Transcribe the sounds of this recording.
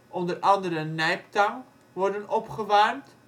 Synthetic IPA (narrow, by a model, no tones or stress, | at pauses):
ʔɔndərʔɑndəɾənɛjptaŋ | ʋɔrdənɔpχəʋarmt